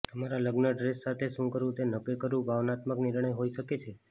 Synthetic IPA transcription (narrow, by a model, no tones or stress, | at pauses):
t̪əmaɾaləɡnəɖɾesːat̪ʰeʃũkəɾũt̪enəkəjkəɾũbʱaʋnat̪məknɪɾɳəjɦoiʃəket͡ʃʰe